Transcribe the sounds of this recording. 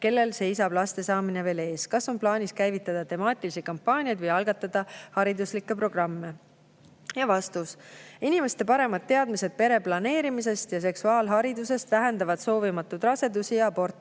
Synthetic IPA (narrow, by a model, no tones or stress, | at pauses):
ke̞lːe̞lse̞jsɑb̥lɑst̪e̞sɑːmineve̞ːle̞ːskɑsːo̞mplɑːnʲiskæjvit̪ːˑɑd̪̥ɑt̪e̞mɑːt̪ʲˑilisit̪̚kɑmpːɑːnʲiɑd̪vɯjɑlɡ̥ɑt̪ːˑɑd̪̥ɑhɑɾid̪uslikːˑe̞pro̞ɡ̥rɑmːe | jɑvɑst̪usinimest̪e̞pɑɾe̞mɑd̪̥̚t̪ːe̞ɑd̪̥mise̞d̪̥̚pe̞ɾe̞plɑne̞ːɾimis̬e̞st̪jɑs̬e̞ksuɑːlɦɑɾid̪use̞st̪væɦend̪ɑvɑd̪̥so̞ːvimɑt̪ːˑud̪̥rɑse̞d̪usiɑbo̞rt̪ːˑ